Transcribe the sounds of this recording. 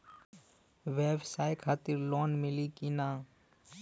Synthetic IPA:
ʋeːbsaːjkʰaːt̪iɾloːnmɪlikinaː

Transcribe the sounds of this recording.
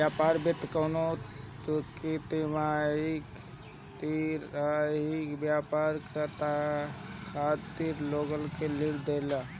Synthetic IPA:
bjapaɾbit̪kənot͡ʃukit̪imaik | t̪iɾaikbjapaɾkət̪akʰat̪iɾloɡəlkeliɽd̪ela

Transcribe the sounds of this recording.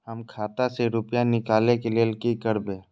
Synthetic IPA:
həmkʰaːt̪aseɾʊpjanɪkaːlẽkelielkikəɾbẽː

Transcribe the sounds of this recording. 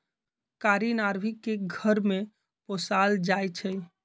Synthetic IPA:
kaɾinaɾbʱikːeɡʱəɾme | posald͡ʒajt͡ʃʰɛ

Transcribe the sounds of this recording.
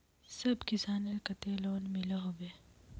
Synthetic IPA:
sɐbkɪsaːnɐlkɐt̪eloːnmɪlaɦoːʋeː

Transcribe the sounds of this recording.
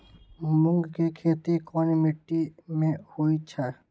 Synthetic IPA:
mʊ̃ŋɡkekʰeːt̪ikɔːnimɪʈːimẽhoːit͡ʃʰa

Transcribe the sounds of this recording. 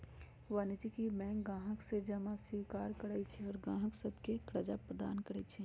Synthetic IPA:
ʋaːnɪd͡ʒikimɛ̃ːɡãːɦəksed͡ʒɐmãsikaːɾkəɽait͡ʃʰiɔːɾɡãːɦəksəbʱkekɾəd͡ʒapɾəd̪a̰ːnkəɾət͡ʃʰi

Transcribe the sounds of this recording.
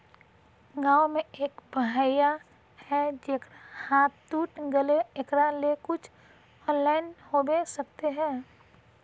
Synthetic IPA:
ɡaːomẽeːkbəɦajja | hɛd͡ʒeːkɾahaːt̪t̪uːʈɡəleekɾalekʊt͡ʃʰ | ɔːnlaːɪnhobesək̚t̪eɦɛ̃ː

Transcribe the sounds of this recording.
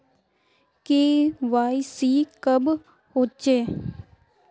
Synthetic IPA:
keːʋaːisiːkəb | hoːt͡ʃeː

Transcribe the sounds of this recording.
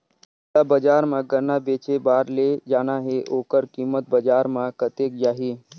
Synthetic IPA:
abəd͡ʒaːɾmãɡənabeːt͡ʃebaːɾled͡ʒaːnaɦeʔoːkəɾkiːmət̪̚bəd͡ʒaːɾmãkət̪ek̚d͡ʒaːɦiː

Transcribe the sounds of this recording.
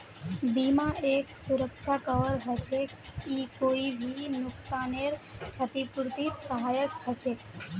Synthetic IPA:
bimãʔeksuɾəkʃʰakəʋəɾɦət͡ʃʰe | ikoibʱinʊksaneɾt͡ʃʰət̪ipuɾt̪it̪səɦajəkhət͡ʃʰe

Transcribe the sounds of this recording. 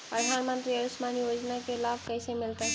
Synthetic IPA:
pɾəd̪ʱanmənt̪ɾiəɾusmanijod͡ʒnakelabʱkəjsemilt̪ə

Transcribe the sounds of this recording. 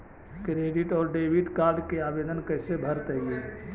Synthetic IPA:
kɾeːɖɪʈɔːɾɖeːʋɪʈkaːɾɖkeaːbeːd̪ənkəɦsebʱəɾt̪əɦieː

